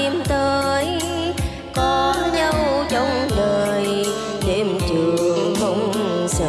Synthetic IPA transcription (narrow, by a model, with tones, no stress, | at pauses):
i˧˩mt̪əː˧j | kɔ˨˦ɲə˧wzə˨˦wŋ͡mɗəː˨˩j | ɗe˧˩mt͡ɕɨ˨˩əəŋɦə˧wŋ͡msə˧